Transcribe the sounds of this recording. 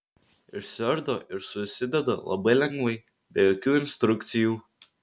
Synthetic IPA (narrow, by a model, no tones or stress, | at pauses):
ɪʃsʲɛɾd̪oʔɪɾsʊsʲɪd̪ʲɛd̪o̰lˠɐ̰bɐɪlʲɛŋɡʋɐɪ | bʲejoːkʲuːɪnst̪ɾʊkt̪sʲɪjuː